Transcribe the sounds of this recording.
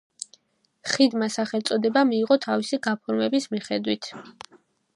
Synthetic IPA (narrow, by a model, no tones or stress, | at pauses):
χid̪masaχɛlˠt̪sʼɔd̪ɛbamiːʁɔt̪ʰavisiɡapʰɔɾmɛbismiχɛd̪wit̪ʰ